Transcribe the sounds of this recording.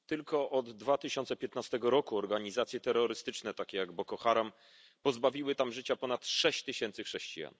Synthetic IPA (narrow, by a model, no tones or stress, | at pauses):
t̪ɘlkɔʔɔd̪ːvat̪ɘɕɔnt̪sɛpʲjɛt̪nast̪ɛɡɔɾɔkuɔɾɡaɲizat̪sʲjɛt̪ɛɾːɔɾɘst̪ɘt͡ʂnɛt̪akʲɛjaɡbɔkɔxaɾam | pɔzbavʲiwɘt̪amʐɘt͡ɕapɔnat̪ʂɛɕt͡ɕt̪ɘɕɛnt̪sɘxʂɛɕt͡ɕḭja̰n